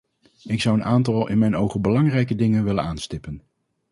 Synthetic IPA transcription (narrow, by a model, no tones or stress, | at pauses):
ɪksʌwənaːntɑlˠɪ̰nmɛjnowχənbəlɑŋrɛjkədɪŋənʋɪlənaːnstɪpən